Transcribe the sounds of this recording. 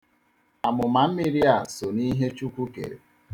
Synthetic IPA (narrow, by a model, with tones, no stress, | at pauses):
a˨mʊ˨ma˨m̩˦mi˦ɾi˦a˨so˨ni˦ɦe˦t͡ʃu˦kʷu˦kḛ˨ɾḛ˨